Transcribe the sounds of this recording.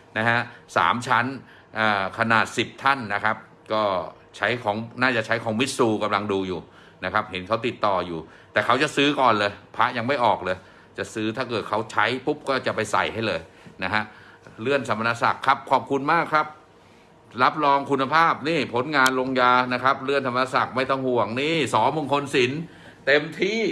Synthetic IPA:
na˦˥ha˦˥ʔsa̰ː˩˦mt͡ɕʰa˦˥n | ʔaː˨˩kʰa˧naː˨˩t̪̚si˨˩p̚t̪ʰa˥˩nːa˦˥kʰa˦˥p̚ | kɔː˥˩ | t͡ɕʰa˦˥jkʰɔː˩˦ŋnaː˥˩t͡ɕa˨˩ʔt͡ɕʰa˦˥jkʰɔː˩˦ŋmi˦˥t̪̚suː˧ka˧mla˧ŋduː˧juː˨˩ | na˦˥kʰa˦˥p̚he˩˦nkʰa˦˥wt̪i˨˩t̪ːɔː˨˩juː˨˩ | t̪ɛː˨˩kʰa˦˥wt͡ɕa˨˩ʔsɯː˦˥kɔː˨˩nlɤː˧jpʰa˦˥ja˧ŋma˥˩jʔɔː˨˩k̚lɤː˧j | t͡ɕa˨˩ʔsɯː˦˥t̪ʰaː˥˩kɤː˨˩t̪̚kʰa˦˥wt͡ɕʰa˦˥jpʰu˦˥p̚kɔː˥˩t͡ɕa˨˩pa˧jsa̰˨˩jɦa˥˩jlɤː˧j | na˦˥kʰa˦˥ʔ | ɾɯ˥˩ənt̪ʰa˧ma˧naː˧˥sa̰˨˩kʰːa˦˥˩p̚kʰɔː˨˩p̚kʰu˧nmaː˥˩kʰɾa˦˥p̚ | ɾa˦˥p̚lɔː˧ŋkʰu˧nːa˧pʰaː˥˩p̚niː˥˩pʰo˩˦nŋaː˧nlo˧ŋjaː˧na˦˥kʰa˦˥p̚ɾɯ˥˩ənt̪ʰa˧ma˧aː˧sa˨˩k̚ma˥˩jt̪ʰɔ˥˩ŋhu˨˩əŋniː˥˩sɔː˩˦ŋmu˧˩ŋkʰo˧nsi˩˦n | t̪e˧mt̪ʰiː˥˩

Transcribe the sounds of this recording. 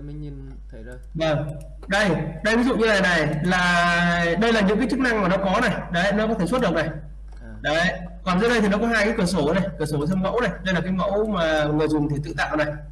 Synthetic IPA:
və˨˧˩ŋ | ɗə˧jɗə˧jvi˨˦zṵ˧˨ɲɨ˧la˨˩na˨˩jlaː˨˩ɗə˧jlaː˨˩ɲɨ̰˧˥ŋkːaː˨˦jt͡ɕɨ˦˥k̚na˧ŋmaː˨˩nɔ˨˦kɔ˨˦na˨˩jɗə˨˦˧nɔ˨˦kɔ˨˦t̪ʰe˧˩su˥t̚ɨ˨˩ək̚na˨˩j | ɗə˨˦˧ | kɔ˨˩nzɨ̰˧˥nɗə˧jt̪i˨˩nɔ˨˦kɔ˨˦ɦaː˧kaː˨˦jkɨ˧˩əso˧˩˨na˨˩jkɨ˧˩so˧˩sʰə˧mə̰˧˥wna˨˩jɗə˧jlaː˨˩kaː˨˦jmə̰˧˥wmaː˨˩ŋɨ˨˩əjzʊ˨˩ŋ͡mt̪ʰi˨˩t̪ɨ̰˧t̪a̰ː˧˨ʔa˨˩na˨˩j

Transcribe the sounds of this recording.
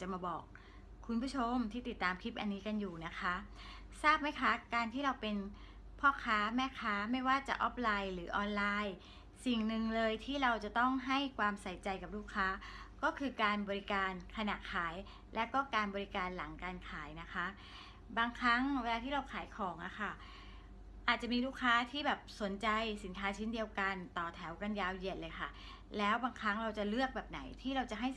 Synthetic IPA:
t͡ɕa˨˩maː˧bɔː˨˩k̚ʰː | u˧npʰu˥˩t͡ɕʰo˧mt̪ʰiː˥˩t̪i˨˩t̪ːaː˧mkʰi˦˥p̚ʔa˧nːiː˦˥ka˧njuː˨˩na˦˥kʰa˦˥ | saː˥˩p̚ma˥˩jkʰa˦˥kaː˧nt̪ʰiː˥˩ɾa˧wpe˧n | pʰɔː˥˩kʰaː˦˥mɛː˥˩kʰaː˦˥ma˥˩jwaː˥˩t͡ɕa̰˨˩ʔɔː˦˥p̚laː˧jlɯː˩˦ʔɔː˧nlaː˧j | si˨˩ŋnɯ˨˧ŋlɤː˧jt̪ʰiː˥˩ɾa˧wt͡ɕa˨˩t̪ɔ˥˩ŋɦa˥˩jkʰwaː˧msa˨˦jt͡ɕa˧jka˨˩p̚luː˥˩kʰːaː˦˥kɔː˥˩kʰɯː˧kaː˧nbɔː˧ɾi˦˥kaː˧nkʰa˧na˨˩kʰaː˩˦j | lʔɛː˦˥wkɔː˥˩kaː˧nbɔː˧ɾi˦˥kaː˧nla˩˦ŋkaː˧nkʰaː˩˦jna˦˥kʰa˦˥ʔ | baː˧ŋkʰɾa˦˥ŋweː˧laː˧t̪ʰiː˥˩ɾa˧wkʰaː˩˦jkʰɔː˩˦ŋʔa̰˨˩xʰa˥˩ | ʔaː˨˩t̪̚t͡ɕa˨˩ʔmiː˧luː˥˩kʰːaː˦˥t̪ʰiː˥˩bɛː˨˩p̚so˨˩˦nt͡ɕa˧jsi˩˦nkʰaː˦˥t͡ɕʰe˦˥ndi˧əwka˧nt̪ɔː˨˩t̪ʰɛ˩˦wka˧njaː˧wje˨˩ət̪̚lɤː˧jkʰa̰˥˩ | lɛː˦˥wbaː˧ŋkʰɾa˦˥ŋɾa˧wt͡ɕa˨˩lɯ˥˩ək̚bɛː˨˩p̚na˩˦jt̪ʰiː˥˩ɾa˧wt͡ɕa˨˩ɦa˥˩

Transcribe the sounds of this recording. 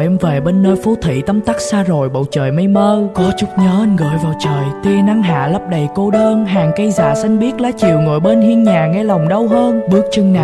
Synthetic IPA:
ʔɛ˧mve˨˩ɓe˧nːəː˧jfo˨˦t̪ʰḭ˧˨t̪ə˧mt̪a˦˥k̚saː˧zo˨˩jɓə̰˧˨wt͡ɕəː˨˩jma˧jməː˧kɔ˨˦t͡ɕu˦˥t̚ɲəː˨˦ʔa˧ŋ̟ɣə̰ː˧˨jvaː˨˩wt͡ɕəː˨˩jt̪i˧na˧ŋɦa̰ː˧˨lə˦˥p̚ɗə˨˩jko˧ɗəː˧nɦaː˨˩ŋkə˧jza̰ː˧˩sa˧jŋ̟ɓi˦˥ət̚laː˨˦t͡ɕi˨˩əwŋo̰˧˨˩jɓe˧nhi˧ənɲaː˨˩ŋɛ˧la˨˩wŋ͡mɗə˧wɦəː˧nɓɨ˦˥ək̚t͡ɕɨ˧ŋna˨

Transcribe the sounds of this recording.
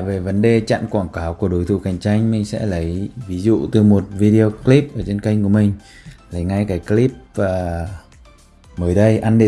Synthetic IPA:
ve˨˩və˨˦nɗe˨˩t͡ɕa̰˧˨nkwaː˧˩nkaː˨˦wku˧˩əɗo˨˦jt̪ʰṵ˧˩ka˨˩jŋ̟t͡ɕa˧jŋ̟mï˨˩ŋ̟sɛ̰˧˥lə˨˦jvi˨˦zṵ˧˨t̪ɨ˨˩mo˨˩t̚vi˧ɗe˧o˧kli˦˥p̚ʔəː˧˩t͡ɕe˧nka˧jŋ̟ku˧˩əmï˨˩ŋ̟ | lə˨˦jŋa˧jkaː˨˦jkli˦˥p̚vaː˨˩ | məː˨˦jɗə˧jʔa˧nɗi˧˨

